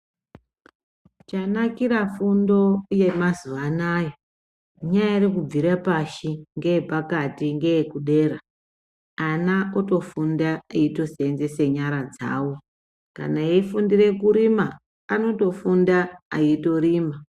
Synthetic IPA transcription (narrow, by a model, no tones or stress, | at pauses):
t͡ʃanakiɾafundo̞je̞mazuanaːja | ɲajairikub͡viɾapaʃiŋɡeepakatiŋɡejekuɗe̞ːɾa | anaoto̞fundaaito̞senze̞seɲaɾad͡za̰ːwo̞ | ka̰naeifundire̞kuɾimaː | no̞to̞fundaaito̞ɾiːma